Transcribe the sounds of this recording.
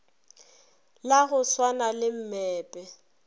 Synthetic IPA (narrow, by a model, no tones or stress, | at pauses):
laɣʊswanalɪm̩mɛːpʼɛ